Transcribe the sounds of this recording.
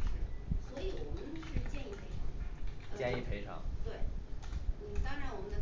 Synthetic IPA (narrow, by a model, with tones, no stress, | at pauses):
ɻ̩˥˩swɔ˧˥i˧˥wɔ˨˩mə˦nʂɻ̩˥˧t͡ɕjɛ˥˧ni˥˩pʰe˧˥ɪʈ͡ʂʰɑ˨˩˦ŋ˥t͡ɕjɛ˥˧ni˥˩pʰe˧˥ɪʈ͡ʂʰɑ̰˨˩˦ŋt̪we˥˩ɪn̩˥˨˩t̪ɑ˥ŋɻa˧˥wɔ˨˩mə˦nd̪ə˧˩